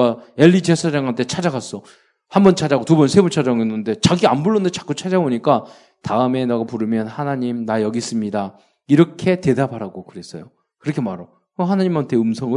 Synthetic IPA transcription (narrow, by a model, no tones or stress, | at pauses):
ae̞ʎːid͡ʑesʰaɾaŋɦantʰe̞t͡ɕʰad͡ʑaɡas͈ʌ | hambʌnt͡ɕʰad͡ʑaɡotubʌnsʰe̞but͡ɕʰad͡ʑʌŋenːɯnde̞t͡ɕaɡianbuɭːʌndet͡ɕḁk͈ut͡ɕʰad͡ʑaboɲik͈a | taɯme̞naɡapuɾɯmjʌnhanaɲimnajʌɡis͈ɯmɲida | iɾʌkʰe̞te̞dabʱaɾaɡokɯɾe̞s͈ʌ̰jo | kɯɾʌkʰe̞maɾo | kʌɦanaɲimantʰe̞ɯmsʰʌŋɯ